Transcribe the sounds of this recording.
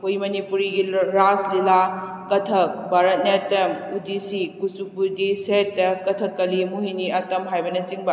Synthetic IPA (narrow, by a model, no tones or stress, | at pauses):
hujmɐnipuɾiɡiɾaslila | kɐtʰɐk̚bʱaɾɐt̚netɐmudisikusupuɾdisetːɐkɐtʰɐkːɐlimuɦiniɐtɐmɦajbɐnɐt͡ʃiŋbɐ